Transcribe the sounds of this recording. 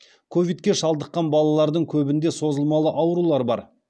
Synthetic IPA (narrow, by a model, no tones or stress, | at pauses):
kʰo̞vʲijt̪kʲe̞ʃɑlˠd̪əqːɑnbɑlˠɑlˠɑɾd̪əŋkʲʰɵbɪnd̪e̞so̞zəlˠmɑlˠəʔɑwɾulˠɑɾbɑ̰ɾ